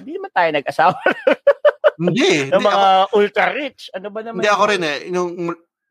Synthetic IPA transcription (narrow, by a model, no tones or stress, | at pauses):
nd̪inɐmant̪aːjonɐɡ̚ʔɐsaːwɐ | ɪnd̪inɐmɐŋaʔʊlt̪ɾɐɾɪt͡ʃɐnobɐnɐmnd̪iɐkoɾɪnɛnoŋ